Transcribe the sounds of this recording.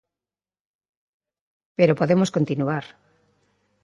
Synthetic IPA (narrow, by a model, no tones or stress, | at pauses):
peɾopoðemoskont̪inuaɾ